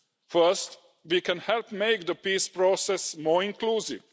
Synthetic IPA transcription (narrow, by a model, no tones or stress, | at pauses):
fəsʈ | ʋiːkɛ̃nhɛlpmeɪk̚d̪əpiːspɾoːsɛsmɔːɾɪ̃nkluːsḭʋ